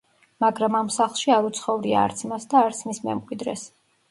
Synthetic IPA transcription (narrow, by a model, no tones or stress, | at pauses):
maɡɾamamsaχlˠʃiaɾut̪sʰχɔvɾia̰ːɾt̪sʰmasd̪aːɾt̪sʰmismɛ̰mkʼwid̪ɾɛ̰s